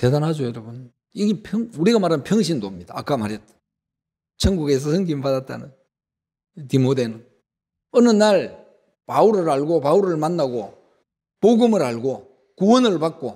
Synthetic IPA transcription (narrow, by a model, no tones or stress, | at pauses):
te̞danɦad͡ʑojʌɾʌbun | iɡepʰʌŋuɾiɡamaɾanpʰjʌŋɕʰindomɲid̥a̰ːk͈amaɾjet̚t͈ḁ | t͡ɕʰʌŋɡuɡe̞s̬ʰʌsʰɯŋɡimɭpadat̚t͈a̰nɯn | timode̞nɯn | ʌnɯnːaɭ | pauɾɯɾaɭɡopauɾɯɭmanːaɡo | poɡɯmɯɾaɭɡo | kuwʌnɯɭpak̚k͈o